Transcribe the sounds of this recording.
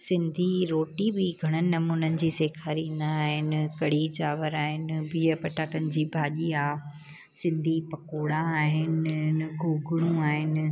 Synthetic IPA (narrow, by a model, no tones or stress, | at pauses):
sɪ̃nd̪ʱiɾoːʈibɪɡʱɐɽ̃ənɪ̆nɐmuːnənɪ̆d͡ʑiːseːkʰaːɾĩːnd̪aːɦɪnɪ̆kɐɽ̤id͡ʑaːʋəɾaːɦɪnɪ̆biːəpɐʈaːʈənɪ̆d͡ʑiːbʱaːʄiaː | sɪ̃nd̪ʱipɐkoːɽãaːɦɪnɡʱuːɡʱʊɽ̃ũaːɦɪnɪ̆